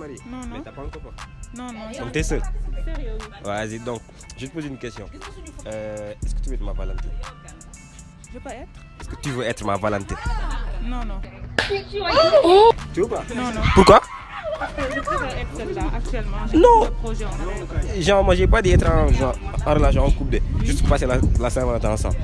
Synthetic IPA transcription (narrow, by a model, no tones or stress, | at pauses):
maɾimɛtapãŋkɔ̃pɔnkɔ̃nt̪ɛsəl | azid̪ɔ̃ŋk̚ | ʒət̪ə̥pozinkɛst̪jɔ̃ | ɛskə̥t̪yvøɛt̪ɾmavalãt̪e | ɛskə̥t̪yvøɛt̪ɾmavalãnt̪en | ot̪yobapuɾkwa | k̪ɛl̃nɔ̃ | ʒãmwaʒɛpad̪əɛt̪ɾãʒãːɾəlas̬jɔ̃ɔ̃kub̚deʒyst̪pupaselalasɛ̃ɾvalãt̪eãsã̰mbl